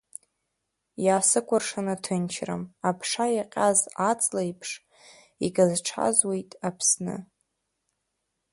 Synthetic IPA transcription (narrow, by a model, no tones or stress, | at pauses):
jaːsɨkʷʰʼarʂanatʰɨnt͡ʃʰra̰mapʰʂajaqʲʼazat͡sʼlajpʰʂ | iɡazʈ͡ʂʰa̰zwejtʼapʰsnɨ̰